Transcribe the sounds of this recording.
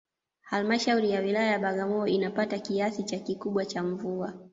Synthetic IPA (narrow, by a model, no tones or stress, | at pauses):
halmaʃauɾijawilajajaɓaɠamɔɔinapatakiasit͡ʃakikuɓwat͡ʃaɱvua